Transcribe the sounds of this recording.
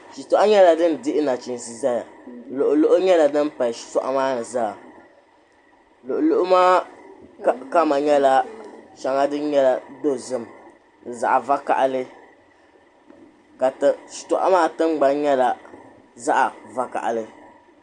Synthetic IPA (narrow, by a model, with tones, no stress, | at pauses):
ʃi˨tɔ˦ʔa˦ɲɛ˦la˨dɨ˦n˨dɪ˦ʔɪ˦na˨t͡ʃi˨n˨si˨za˦ja˨lo˨ʔʊ˨lo˦ʔʊ˦ɲɛ˦la˨dɨ˦m˦pa˨ʃi̥˨tɔ̰˨ʔa̰˦maː˦nɨ˨zaː˦˨ | lo˨ʔo˨lo˦ʔʊ˦maː˦ | ka˦ma˨ɲɛ˦la˦ʃa˨ŋa˦dɨ˦n˦ɲɛ˦la˨do˦˨zɨ˦˨m̩˨ | za̰˨ʔa˨va˦ka̰˨ʔa˦lɨ˦ | ka˨tʃi̥˨tɔ˨ʔa̰˦maː˦tɨ˦ŋ͡mɡ͡ba˦nɲɛ˦la˨ | za˦ʔa˨va˦ka̰˨ʔa̰˨lɨ˦